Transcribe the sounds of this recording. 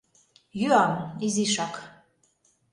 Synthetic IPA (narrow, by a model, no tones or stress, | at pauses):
jyɑmiziʃɑk